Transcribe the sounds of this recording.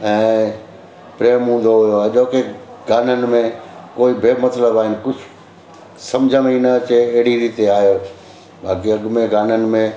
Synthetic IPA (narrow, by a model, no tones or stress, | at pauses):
ɛ̃ː | pɾeːmɦũːn̆d̪oɦʊjoɐʄoːkeɡaːnənɪ̆mẽkoːibʱeːmɐt̪ləbaːɦɪnɪ̆kʊd͡ʑʰʱ | sɐ̃md͡ʑʱə̃minət͡ɕeːɦɪɽiɾiːt̪eaːɦijoː | bʱaːkiɐɡʊmẽɡaːnənɪ̆mẽ